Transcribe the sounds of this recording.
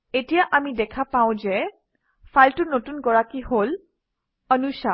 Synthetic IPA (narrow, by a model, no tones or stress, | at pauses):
etijaʔamidɛkʰapaʊ̃zɛ | fʰaltʊnotunɡɔɹakiɦol | ənusa